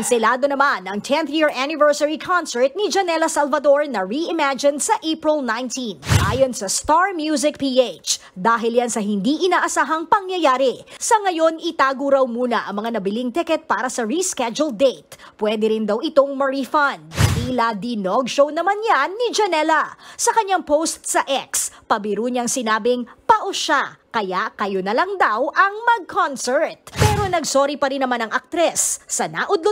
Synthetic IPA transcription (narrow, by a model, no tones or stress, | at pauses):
nsɛlaːd̪o̞nɐmanʔɐŋt̪ʰɛ̃nθjiɹʔanɪvɛɹsɐɹikʰansɛɹt̪̚nɪd͡ʒɐnɛlɐsɐlvɐd̪oɹnɐɹiʔɪmad͡ʒɪnsɐʔepɹɪlnajnt̪inʔaːjonsɐst̪aɹmjuːz̬ɪk̚piʔet͡ʃd̪aːɦɪljansɐɦɪnd̪iʔɪnaːʔɐsaːɦɐŋpɐŋjɐjaːɾɪsɐŋɐjo̞nɪt̪aːɡʊɾɐwmuːnɐʔɐ̰ŋmɐŋanɐbɪliŋt̪ɛkɛt̪̚paːɾɐsɐɹiskɛd͡ʒuld̪ejt̪̚ | pwɛːd̪ɛɾɪnd̪ɐwɪt̪o̞ŋmɐɹifɐnʔilad̪ɪnoɡʃownɐmanjanːɪd͡ʒɐnɛlɐsɐkɐɲaŋpowst̪sɐʔɛkspɐbɪɾuːɲɐŋsɪnaːbɪŋpɐʔoʃakɐjaʔkɐjonɐlɐŋd̪awʔɐŋmɐɡ̚kʰonsɛɹt̪̚pɛːɾo̞nɐɡsoːɾipɐɾɪnːɐmanɐŋʔɐk̚t̪ɾɛsːɐna̰ʔʊd̪lo